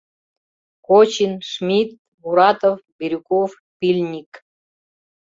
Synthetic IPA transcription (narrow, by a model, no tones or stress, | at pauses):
kot͡ɕinʂmʲit̪̚ | buɾɑt̪ovbiɾʲukof | pʲilʲnʲik